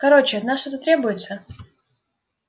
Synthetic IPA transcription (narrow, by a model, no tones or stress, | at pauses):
kɐɾot͡ɕɪɐt̪naʂt̪ot̪ət̪ɾʲebʊjɪt̪sə